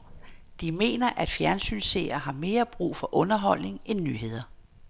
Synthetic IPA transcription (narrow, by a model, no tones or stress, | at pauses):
d̥ime̝̰ːnɐʔæd̥fjæɐnsy̰nsḛɪɐɦɑ̈me̝ːɐb̥ʁṵːfɒ̽ʔɔ̽nɐɦɒ̽l̰ne̝ŋenːyɦe̝ð̞̰ˠɐ